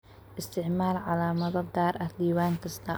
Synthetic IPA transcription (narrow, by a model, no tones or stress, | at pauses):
ʔɪst̪ʰɪʕmaːrʕalaːmɐðɔd̪aːɾʔɐd̪iːwaːŋkʰɐst̪ʰɐ